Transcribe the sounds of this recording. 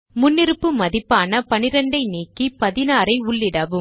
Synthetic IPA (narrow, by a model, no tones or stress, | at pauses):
mʊnːɪɾɯpːɯmɐðɪpːaːnɐpɐnɪɾɐɳɖɐɪneːkːipɐðɪnaːɾɐɪʊɭːɪɽɐʋɯm